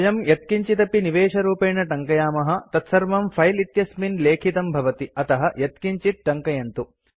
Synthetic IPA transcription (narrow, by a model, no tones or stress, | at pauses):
jɐmjɐt̪̚kiɲt͡ʃit̪ɐpiniʋeːʂɐɾuːpeːɳɐʈɐŋkɐjaːmɐɦɐ̆t̪ɐt̪sɐɾʋɐmpʰɐjlit̪jɐsminleːkʰit̪ɐmbʱɐʋɐt̪iɐt̪ɐɦɐjɐt̪kiɲt͡ʃit̪̚ʈɐŋkɐjɐnt̪u